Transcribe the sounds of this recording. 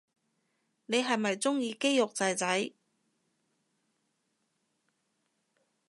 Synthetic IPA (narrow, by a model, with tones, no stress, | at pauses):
ne˨˧jɦɐ˨jmɐ˨jt͡sʊ˥ŋjiː˧ke˥jʊ˨k̚t͡sɐ˨˧jt͡sɐ˨˥j